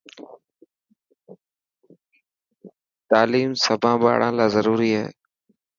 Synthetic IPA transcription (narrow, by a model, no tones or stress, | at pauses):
t̪aːliːmsəbʱãːɓa̰ːɽãːlaːzəɾuːɾiːɦḛː